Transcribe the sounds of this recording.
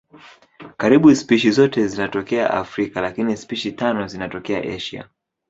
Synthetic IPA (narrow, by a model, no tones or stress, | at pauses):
kaɾiɓuspiʃizɔtɛzinatɔkɛa̰ʔa̰fɾikalakinispiʃitanɔzinatɔkɛa̰ʔɛʃia̰